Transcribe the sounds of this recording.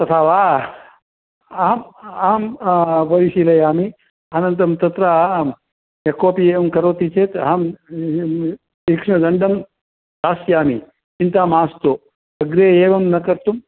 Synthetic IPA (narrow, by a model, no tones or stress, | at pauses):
t̪ɐt̪ʰaːʋaː | aːmaːmʋɐɾiʃilɐjaːmi | anɐnt̪̬ɐmt̪ɐt̪ɾaaːm | jɐkoːpieːʋɐmkɐɾoːt̪it͡ʃʰeːt̪ɦaːm | ikʂmɐd̪ɐɳɖɐm | d̪aːsjaːmi | t͡ʃint̪aːmaːst̪o | ɐɡɾeeːʋɐmnɐkɐɾt̪um